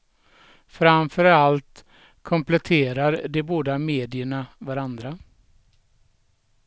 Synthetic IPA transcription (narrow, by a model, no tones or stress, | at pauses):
fɾamfœɾalt̪ | kʰɔmplɛt̪ʰeːɾaɾd̪ɛboːd̪ameːd̪ɪəɳavaɾand̪ɾa